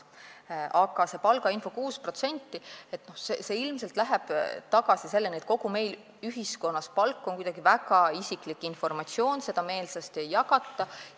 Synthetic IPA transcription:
ʔɑɡ̥ɑse̞pɑlɡ̥ɑinfo̞kuːspro̞t̪se̞nʲt̪ˑːie̞t̪no̞hsese̞ːilmse̞lt̪ˑlæɦɛb̥t̪ɑɡɑsise̞lːe̞nʲiet̪̚ko̞ɡ̥ume̞jl | yɦiskonːɑspɑlkːo̞nkujd̥̪ɑɡ̥ivæɡɑisiklikːˑinfo̞rmɑt̪sio̞ːnse̞d̪̥ɑme̞ːlsɑst̪ejːɑkɑt̪ːɑ

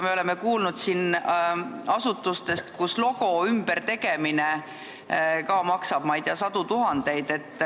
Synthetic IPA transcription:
me̞o̞le̞me̞kuːlnud̪̥sin | ɑsut̪ːˑust̪e̞st̪kuslo̞ɡ̥o̞ymb̥eɾt̪e̞ɡe̞mine | kɑːmɑksɑb̥̚mɑjd̪eɑsɑd̪̥ut̪uɦɑnd̪̥e̞jd̪̥e̞t̪ːˑ

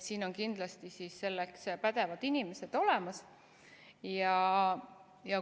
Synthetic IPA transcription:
siːno̞nkind̪̥lɑst̪isisːe̞lːekspæd̪̥e̞vɑd̪̥inime̞se̞d̪̥o̞le̞mɑs | jɑ | jɑ

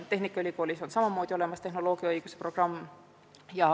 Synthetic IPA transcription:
t̪e̞ɦnikˑːɑylʲiko̞ːlʲiso̞nsɑmɑmoːd̪̥ʲio̞le̞mɑst̪e̞ɦno̞lo̞ːɡ̥iɑɯjɡ̥usepro̞ɡ̥rɑmː | jɑ

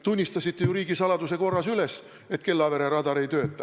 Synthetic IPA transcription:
t̪unʲːist̪ɑsit̪ːejuɾiːɡ̥isɑlɑd̪useko̞rːɑsyles | e̞t̪ke̞lːɑveɾeɾɑd̪ɑɾejt̪ø̞ːt̪ːɑ

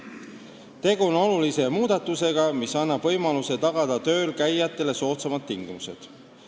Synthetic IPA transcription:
t̪e̞ɡ̥uono̞lulise̞muːd̪̥ɑt̪ːˑuse̞ɡ̥ɑmisɑnːɑb̥vɤ̞jmɑluse̞t̪ɑɡ̥ɑd̪̥ɑt̪ø̞ːlkæjːɑt̪ːˑe̞le̞so̞ːt̪semɑd̪ːiŋɡ̥imuse̞d̪̥

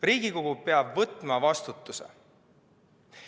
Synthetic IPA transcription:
riːɡ̥iko̞ɡupeɑbvɤt̪ːˑmɑvɑst̪ut̪ːˑusḛ

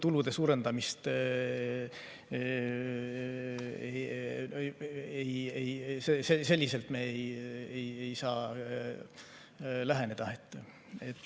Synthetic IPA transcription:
t̪ulud̪̥e̞suːɾe̞nd̪ɑmist̪ | e | ejejsesese̞lʲːise̞lt̪meejejejsɑː | læɦe̞ne̞d̪̥ɑet̪ːˑ | et̪ːˑ

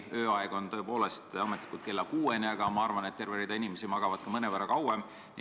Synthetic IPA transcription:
øːɑeɡ̥o̞nt̪ɤ̞epo̞ːle̞st̪ɑmet̪ːˑi̥kult̪̚ke̞lːɑkuːenʲeɑɡ̥ɑmɑɑrvɑnet̪t̪ːe̞rveɾid̪̥ɑinʲimesimɑɡ̥ɑvɑd̪̥kɑmɤnevərɑkɑwem

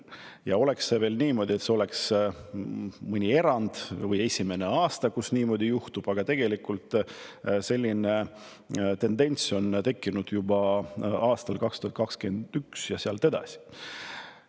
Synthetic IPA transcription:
jɑo̞le̞ksːeve̞ːlniːmo̞ːd̪ie̞t̪se̞o̞le̞ks | mɨnʲie̞ɾɑnd̪̥vɤje̞sʲime̞ne̞ɑːst̪ɑkusniːmo̞ːd̪ijuht̪ub̥ɑɡ̥ɑt̪e̞ɡ̥e̞likːˑult̪ | se̞lʲːine | t̪e̞nd̪e̞nʲt̪so̞nt̪e̞kˑːinud̪̥jubɑɑːst̪ɑlkɑkst̪uhɑt̪̚kɑkske̞nd̪̥yksjɑseɑlt̪e̞d̪̥ɑ̰si̥

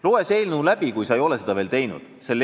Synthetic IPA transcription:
loːese̞ːlnuːlæb̥ikujsɑejo̞le̞se̞d̪ɑve̞ːlt̪e̞jnṵd̪̥selː

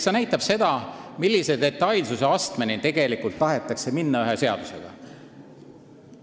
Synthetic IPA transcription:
senæjt̪ːˑɑb̥se̞d̪̥ɑmilːise̞d̪e̞t̪ːˑɑjlsuseɑst̪menint̪e̞ɡ̥e̞likult̪ːɑɦe̞t̪ːˑɑkse̞minːɑyɦese̞ɑ̰d̪̥use̞ɡ̥ɑ̰

